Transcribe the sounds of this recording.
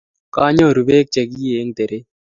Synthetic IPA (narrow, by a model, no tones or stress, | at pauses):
kaːɲõːɾubeːk̚t͡ʃɐɡiːeːŋɡt̪eɾe